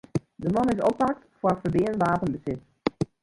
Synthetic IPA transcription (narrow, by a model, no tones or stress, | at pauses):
dəmɑnɪsɔpak̚tfəfərbɪənʋaːpənbəsɪt